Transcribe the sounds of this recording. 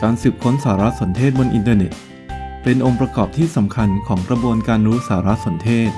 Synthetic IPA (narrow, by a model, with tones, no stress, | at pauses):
kaː˧nsɯː˨˩p̚kʰo˦˥nsaː˩˦ɾa˦˥so˩˦nt̪ʰeː˥˩t̪̚bo˧nʔḭ˧nt̪ɤː˧ne˨˩t̪̚ | pe˧nʔo˧ŋpɾa˧kɔː˨˩p̚t̪ʰiː˥˩sa˩˦mkʰa˧nkʰɔː˩˦ŋkɾa˧bu˧ənkaː˧nɾuː˦˥saː˩˦ɾa˦˥so˩˦nt̪ʰeː˥˩t̪̚